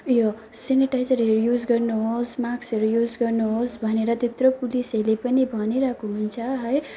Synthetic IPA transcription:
jo | seniʈajzʌɾɦʌɾujud͡zɡʌrnuɦosmaksʌɾujud͡zɡʌrnuɦosbʱʌneɾʌd̪ʱit̪ropulisʌlepʌnibʱʌniɾʌkʰuɦunt͡sʰʌɦʌj

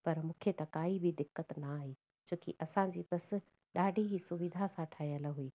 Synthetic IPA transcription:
pɐɾmũːkʰet̪ɐkaːibɪd̪ɪkːət̪naaːɦeː | d͡ʑoːkḭʔɐsãd͡ʑiːbɐs̆ | ɗaːɖʱiɦisʊʋɪd̪ʱasãʈʰaːjjəlɦuiː

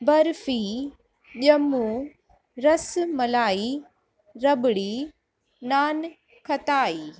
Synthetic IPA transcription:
bɐɾfi | ʄɐmu | ɾɐsmɐlaːi | ɾɐbɽiː | naːn | kʰɐt̪aːiː

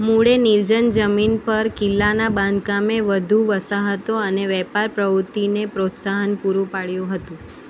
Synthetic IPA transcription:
muɽeniɾd͡ʒənd͡ʒəminpəɾkɪlːanabãnd̪kameʋəd̪ʱũʋəsaɦət̪oəneʋɛpaɾpɾəʋʊt̪inepɾot̪saɦənpuɾũpaɭjũɦət̪ũ

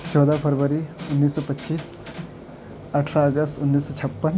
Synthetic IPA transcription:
t͡ʃɔːd̪apʰɐɾʋəɾiʊnːiːsːɔpɐtːʃiːs | ɐʈʰɾaəɡəstʊnːiːsːɔt͡ʃʰɐpːən

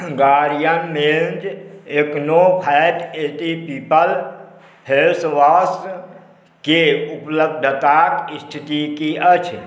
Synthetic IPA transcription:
ɡaɾijənmend͡ʒeknopʰɛjʈeʈ̪ipipəl | pʰelsʋas | keupləb̚d̪ʱət̪akist̪ʰit̪ikiʔət͡ʃʰ

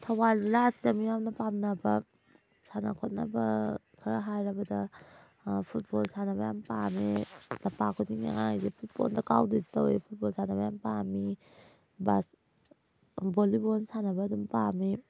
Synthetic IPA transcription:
tʰawalzilasidɐmijamnɐpamnɐbɐ | sana̰kʰot̚nɐ̰bɐ | kʰaɾaɦajɾɐbɐdɐ | pʰut̚bolsanɐbɐjampamilɐpakʰɔdiŋa̰ŋa̰zepʰut̚bɔ̰ndɐkawditowepʰut̚bolsanɐbɐjampami | bas | bolibonsanɐbɐdumpami

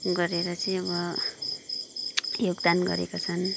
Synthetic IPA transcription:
ɡʌɾeɾʌt͡sʌj̃ʌbʌ | joɡd̪anɡʌ̰ɾḛkot͡sʰʌn

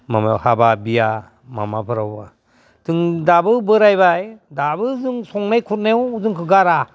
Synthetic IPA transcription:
mamahababija | ma̰mapʰɯɾawba | tʰɯŋdabɯbɯɾajβajdabɯzɯŋsɔŋnajkʰut̚newzɯŋkʰɯɡaɾa

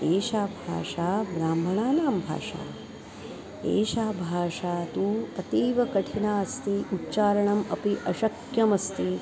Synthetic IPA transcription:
eːʃaːbʱa̰ːʂaːbɾaːmbʱɐɳaːnaːmbʱa̰ːʂa̰ː | ḛːʃaːbʱaːʂaːt̪uːɐt̪iːʋɐkɐʈʰinaːɐst̪iutːt͡ʃaːɾɐɳɐmɐpiʔɐʃɐkjɐmɐst̪i

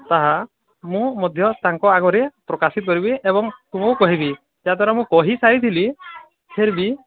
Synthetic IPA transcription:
t̪aɦa | mũmɔd̪ʱjɔt̪aŋkɔaɡɔɾepɾɔkasit̪ɔkɔɾibiʔebɔŋt̪umɔwkɔɦibi | d͡ʒat̪ʰɔɾamũkɔɦisaɾit̪ʰili | heɾbi

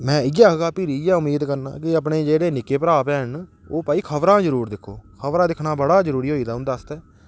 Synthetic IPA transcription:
mɛ̃ːɪɡaːɦɡaːpiːɾiɪjaːʊmiːd̪kəɾna̰ːk̬ɪəp̬ɳeːd͡ʒeːɽeːnɪkeːpəɾaːpɛːɦən | oːpaːiːkʰəʋɾãːd͡ʒəɾuːɾd̪ɪkʰːoːkʰəʋɾãːd̪ɪkʰnaːbəɽaːd͡ʒəɾuːɾiːɦoːiːd̪aːɦʊ̃nd̪aːəst̪ɛː

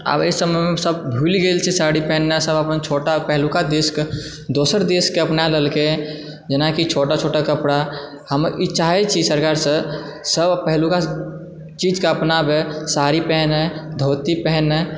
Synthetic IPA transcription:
a̰bḛisəməmesəbbʱulɡelt͡ʃʰɛsaɽipɛɦnːesəbəpənt͡ʃʰoʈapəɦlukad̪eske | d̪osəɾd̪eskːeəpnaləlke | d͡ʒenakit͡ʃʰoʈat͡ʃʰoʈakəpɽa | həmit͡ʃaɦɛt͡ʃʰisəɾkaɾsə̃ | səbpəɦluka | t͡ʃid͡ʒkeəpnabesaɾipɛɦɛned̪ʱot̪ipɛɦɛnɛ

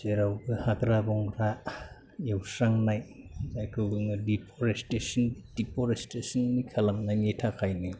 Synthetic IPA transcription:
seɾawbɯhakɾabɔŋɾa | jewsɾaŋnaj | zajkʰɯwbɯŋɯdipʰɔɾestesɔnd̥ipʰɔɾestesɔnːikʰalamnajnetʰakʰajnɯ

